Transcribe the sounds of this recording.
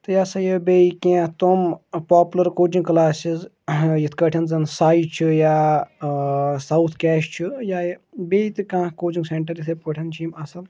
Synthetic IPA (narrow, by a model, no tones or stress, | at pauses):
t̪ɨjasɐjəbeikẽt̪ompaːpulɐɾkoːd͡ʒiŋklaːsiz | jit̪ʰkɐʈʰɐnzɐnsaːit͡ʃʰijaː | sawt̪ʰkɛːʃt͡ʃʰijaːjbeːjt̪ɨkãːkoːd͡ʒiŋɡseɳʈɐɾjisʰɐpɐʈʰɐnt͡ʃʰimɐsɐl